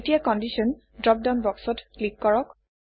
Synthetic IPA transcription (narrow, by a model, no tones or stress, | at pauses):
tijakɔndisɔn | dɹɔk̚dawnbɔksɔtklikːɔɹɔk